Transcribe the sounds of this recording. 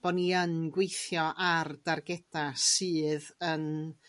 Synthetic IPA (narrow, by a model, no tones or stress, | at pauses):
b̥ɔdniənɡwejθjɔʔard̥arɡɛd̥asɨːðən